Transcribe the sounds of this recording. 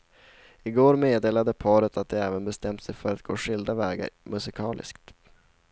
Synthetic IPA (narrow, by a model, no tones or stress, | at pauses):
ɪɡoːɾmeːd̪eːlad̪əpʰɑːɾət̪ʰat̪̚d̪ɛɛːvənbɛst̪ɛmt̪sɛjfœɾat̪̚ɡ̥oːʂɪld̪avɛːɡa̰ɾmɵsɪkʰɑːlʔɪ̰skt̪